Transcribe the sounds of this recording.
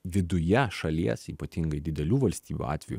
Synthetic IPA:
ʋʲɪd̪ʊjɛʃɐlʲiɛsiːpɐt̪ʲɪŋɡɐɪd̪ʲɪd̪ʲɛlʲuːʋɐlʲsʲt̪ʲiːbʲṵɑ̰ːt̪ʲʋʲɛjṵ

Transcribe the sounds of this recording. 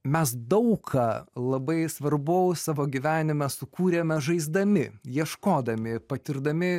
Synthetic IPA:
mʲɛs̬d̪ɐʊkʰɑlˠɐbɐɪsʋɐrbʊʊsɑːʋoːɡʲiʋʲæːnʲɪmʲɛsʊkuːɾʲemʲɛʒɐɪzd̪ɐmʲɪjiɛʃkoːd̪ɐmʲɪpɐt̪ʲɪɾd̪ɐmʲɪ

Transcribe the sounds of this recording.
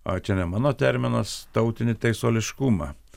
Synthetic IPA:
o̰ːt͡ʃʲɛnʲɛmɑːnoːt̪ʲɛɾʲmʲɪnɐst̪ɐʊt̪ʲɪnʲɪt̪ɐɪsoːlʲɪʃkumɑ̰

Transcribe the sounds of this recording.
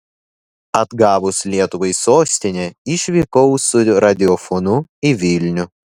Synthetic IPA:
ɐd̪ɡɑːʋʊslʲiɛt̪ʊʋɐɪsoːsʲt̪ʲɪnʲeɪʃʲʋʲikɔʊsʊɾɐd̪ʲɪɔfɔnʊɪʋʲɪlʲnʲʊ

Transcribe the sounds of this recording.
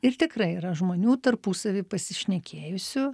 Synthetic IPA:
ɪrt̪ʲɪkrɐɪiːɾɐʒmoːnʲuːt̪ɐrpuːsɐʋʲiːpɐsʲɪʃʲnʲɛkʲʰeːjʊsʲʊ

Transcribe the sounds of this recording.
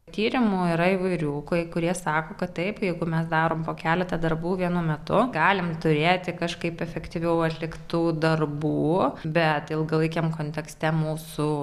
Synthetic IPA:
t̪ʲiːɾʲɪmuːɪɾɐɪʋɐɪɾʲuːkokʊɾʲiɛsɑːkoːkɐt̪t̪ɐɪpjɛɪɡʊmʲɛsd̪ɑːɾoːmpoːkʲæːlʲɛt̪ɐd̪ɐrbuːʋʲiɛnʊmʲɛt̪ʊɡɑːlʲɪmt̪ʊɾʲeːt̪ʲɪkɐʃkɐɪpɛfʲɛkt̪ʲiʋʲɛʊɐt̪ʲlʲɪkt̪uːd̪ɐrbuːbʲɛt̪ɪlˠɡɐlˠɐɪkʲɛmkoːnʲt̪ʲɛksʲt̪ʲɛmuːsu

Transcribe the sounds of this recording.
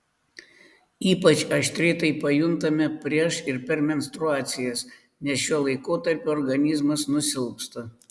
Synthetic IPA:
iːpɐt͡ʃʲɐʃt̪ʲɾʲɛɪt̪ɐɪpɐjʊnt̪ɐmʲɛpʲɾʲiɛʃɪɾpʲɛɾmʲɛnʲsʲt̪ɾʊaːt̪sʲɪjɛs | nʲɛsʃʲuɔlˠɐɪkoːt̪ɐɾʲpʲuɔɾɡɐnʲɪzmɐsnʊsʲɪlˠkst̪ɐ

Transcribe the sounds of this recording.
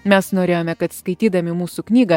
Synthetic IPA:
mʲɛsnoːɾʲeːjoːmʲɛkɐt̪skɐɪt̪ʲiːd̪ɐmʲɪmuːsuknʲiːɡɐ

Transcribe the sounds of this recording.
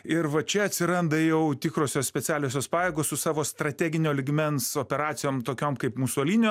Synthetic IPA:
ɪɾʋɐt͡ʃʲɛɐt̪ʲsʲɪɾɐnd̪ɐjɛʊt̪ʲɪkɾoːsʲoːssʲpʲɛt͡s̪ʲæːlʲoːsʲoːspɑːjeːɡoːssʊsɑːʋoːst̪ɾɐt̪ʲæːɡʲɪnʲoːlʲɪɡmʲɛnsoːpʲɛɾɑːt̪sʲɪjoːmt̪oːkʲoːmkɐɪpmuːsoːlʲiːnʲɪjo

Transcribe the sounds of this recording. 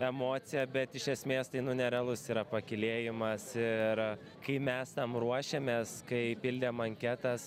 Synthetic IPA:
ɛmoːsʲɪjɛbʲɛt̪ɪʃʲɛsʲmʲeːst̪ɐɪnʊnʲɛɾʲɐlˠʊsiːɾɐpɐkʲɪlʲeːjɪmɐsɪɾ | kɐɪmʲɛst̪ɐmɾuɔʃʲeːmʲeːskɐɪpʲɪlʲd̪ʲeːmɐŋʲkʲæːt̪ɐs

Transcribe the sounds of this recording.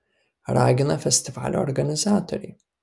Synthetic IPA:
ɾˤʔɑ̰ːɡɪnafast̪ɪfʕa̰lʔʊ̰ɾɡanɪzaːt̪ʊɾi

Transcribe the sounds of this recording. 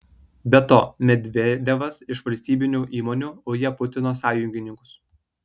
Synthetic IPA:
bʲɛt̪oːmʲɛd̪ʲʋʲeːd̪ʲeʋɐsɪʃʋɐlʲsʲt̪ʲiːbʲɪnʲuːʔiːmoːnʲuːoːjiɛpʊt̪ʲɪnoːsɑːjʊŋʲɡʲɪnʲɪŋkʊ̥s

